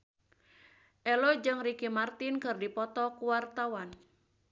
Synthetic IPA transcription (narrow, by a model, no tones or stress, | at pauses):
ʔɛlɔd͡ʒɨŋrikimart̪ɪnkɨrdipɔt̪ɔkuwart̪awan